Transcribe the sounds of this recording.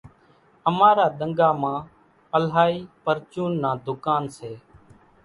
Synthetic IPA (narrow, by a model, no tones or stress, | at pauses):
əmaːɾaːɗ̪əŋɡaːmãː | əlɦaːiːpəɾt͡ʃuːnːãːd̪ʊkaːnseː